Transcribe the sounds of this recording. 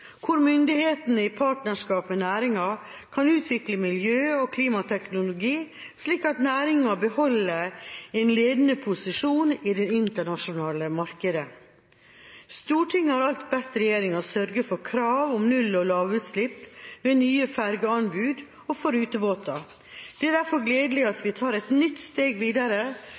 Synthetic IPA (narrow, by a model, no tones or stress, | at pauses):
kʰʊɾmʏnd̪ɪheːt̪ənəɪpʰɑːʈnəʂkɑːpmɛnæːɾɪŋɑ | kʰɑnʉːt̪ʰʋɪkləmɪljøːɔkʰliːmɑt̪ʰɛknʊlʊɡiː | sliːkɑt̪næːɾɪŋɑbəhɔlːəɾɛnleːd̪ənəpʰʊsɪʂuːnɪd̪ɛnɪnt̪əɳɑʂʊnɑːləmɑɾkəd̪ə | st̪uːʈʰɪŋːhɑɾɑlt̪bɛt̪ɾɛjeːɾɪŋɑsœɾɡəfɔɾkʰɾɑːʋɔmnʉlːɔlɑːʋʉt̪slɪpːʋeːnyːəfæɾɡəɑnbʉːd̪ | ɔfɔɾʉːt̪əboːt̪ɑ | d̪̥ɛæd̪æɾfɔɾɡleːd̪əlɪɑt̪ʋɪt̪ʰɑːɾɛt̪nʏt̪ːst̪eːɡʋiːd̪ɑɾə